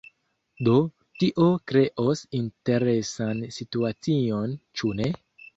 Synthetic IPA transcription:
do̞ | tiʔo̞kɾe̞ʔo̞sinte̞ɾe̞sansituat͡sio̞nt͡ʃune̞

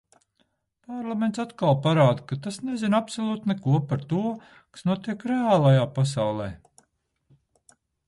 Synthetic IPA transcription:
paɾlˠament̪sat̪kalˠpaɾaːd̪kat̪asnezinapsolˠuːt̪nɛkuɔpaɾt̪uɔ | kḁsnuɔt̪iɛkɾeaːlˠajaːpas̬awlˠḛː

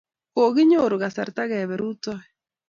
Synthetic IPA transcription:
koɣiɲoɾuɣasaɾt̪aɣɛβɛɾutoɛ

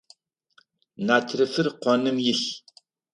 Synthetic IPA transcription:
natʰɾɨfɨrqʷanɨmjɪɬ

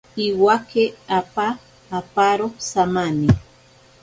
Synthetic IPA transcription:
iwakeapaː | paɾosamani

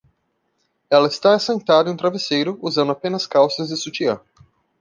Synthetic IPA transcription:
ɛlɐɪst̪asẽnt̪ad̪ɐɪ̃ũt̪ɾavesejɾʊuzɐ̃ndʊapẽnɐskawsɐzd͡ʒɪsut͡ʃiɐ

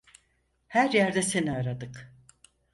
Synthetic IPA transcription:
hæɾjæɾd̪ɛse̞niaɾad̪ɯk

